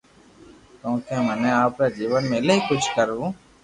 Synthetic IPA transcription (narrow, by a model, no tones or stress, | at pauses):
kõːkemɛnẽːaːpɾeːd͡ʒiːʋənmẽleɦikʊt͡ʃʰkəɾũː